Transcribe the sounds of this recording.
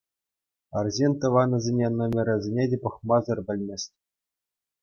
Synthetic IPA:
ɑrzʲenʲt̪ɤ̆ʋɑnɤ̆zʲenʲenomʲeɾʲɘ̆zʲenʲedʲepɤ̆χmɑzɤ̆rʲbʲɘ̆lʲmʲesʲtʲ

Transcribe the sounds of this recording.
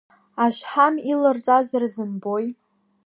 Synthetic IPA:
aʃħamilɨrt͡sʼazarzɨnboj

